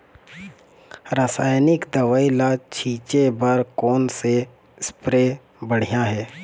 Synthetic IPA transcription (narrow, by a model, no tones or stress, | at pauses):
ɾəsaːjnɪkd̪ɐʋaːilat͡ʃʰiːt͡ʃebəɾkɔːnse | spɾeː | bəɽ̤ijaɦɛː